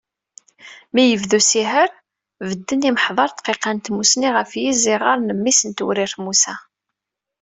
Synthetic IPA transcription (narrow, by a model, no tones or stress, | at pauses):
mijəvðusiɦəɾ | vəd̪ːəniməħðˤɑɾˤt̪qːeqant̪musniʁəfjiziʁɑɾˤnəmːisənt̪ṵɾiɾθmusæ